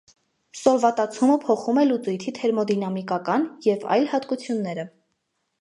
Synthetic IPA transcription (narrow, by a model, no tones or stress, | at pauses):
sɔlvɑt̪ɑt͡sʰuməpʰɔχumɛlut͡sujt̪ʰit̪ʰɛɾmɔd̪inɑmikɑkɑnjɛvɑ̰jlhɑt̪kut͡sʰjunːɛɾə